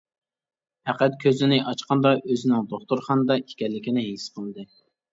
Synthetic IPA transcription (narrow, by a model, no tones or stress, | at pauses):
hæqɛt̪̚kʲʰøzɪnɪʔɑt͡ʃqɑnd̪ɑʔøzɪnɪŋd̪oχt̪uɾχɑnɨd̪ɑʔikʲɛlːɪkʲinɪɦesqʰəlˠɨd̪ɨ